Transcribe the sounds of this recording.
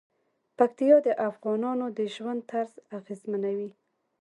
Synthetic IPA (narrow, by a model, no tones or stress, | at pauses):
pakt̪ijɑd̪əʔafɣɑnɑnod̪əʒwand̪̚t̪aɾzaɣezmanawi